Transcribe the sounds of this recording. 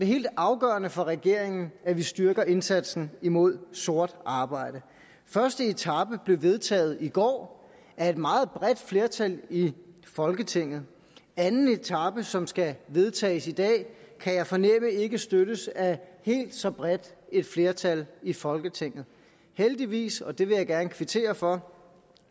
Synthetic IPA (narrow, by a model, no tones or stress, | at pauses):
ɒd̥e̝ɦe̝̰ːld̥ɑ̈ʊɡ̥ɶːɐnəfɒ̽ʁɛɡ̥e̝ɐ̰e̝ŋn̩æʋisd̥yɐɡ̥ɐʔe̝nsæd̥sn̩imo̝ð̞̰ˠso̝ɐ̰d̥ɑ̈ːb̥ɑ̈ɪ̰d̥ə | fɶɐsd̥əe̝t͡sʰɑ̈b̥əb̥le̝ʊʋe̝ð̞ˠt͡sʰɛ̰ːð̩ˠiɡ̥ɒ̰ː | æɐe̝d̥mɑ̈ːð̩ˠb̥ʁɛd̥fle̝ɐt͡sʰælifɒ̽lɡ̥ət͡sʰe̝ŋ̰ð̞̩ˠ | ænn̩e̝t͡sʰɑ̈b̥əsɒ̽msɡ̥æʋe̝ð̞ˠt͡sʰɛ̰ːɪsid̥ɛ̰ːkʰæjɑ̈ɪfɒ̽nem̰əe̝ɡ̥əsd̥øɾəsæhe̝̰ːld̥sɒ̽b̥ʁed̥e̝d̥fle̝ːɐt͡sʰælifɒ̽lɡ̥ət͡sʰe̝ŋ̰ð̩ˠ | held̥iʋḭːsɒ̽d̥e̝ʋe̝jɑ̈ɪɡ̥æɐnəkʰʋit͡sʰe̝̰ːɐfɒ̽